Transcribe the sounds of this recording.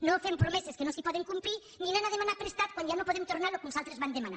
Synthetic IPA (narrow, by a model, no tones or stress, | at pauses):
nofempɾomeseskenosipɔðeŋkumpɾi | ninanaðemanapɾest̪at̪̚kwanʒanopoðemt̪oɾnaɾloknusalˠt̪ɾezβand̪emana̰